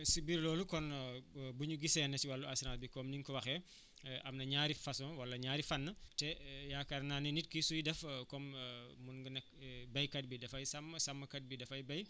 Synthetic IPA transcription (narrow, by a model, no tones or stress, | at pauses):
sibiɾlɔːlukɔnbuɲuɡisɛnɐtiwɐlːuasnaːbikɔmniŋkɔwɐxɛ | ʔɐmnɐɲaːɾifɐsɔwɐlːɐɲaːɾifɐnːɐtɛjaːkɐɾnanɛnit̚kisujidɛfkɔmmunɡənɐk̚bɐjkɐt̚bidɐfɐjsɐmsɐmːɐkɐd̚bidɐfɐjbɐj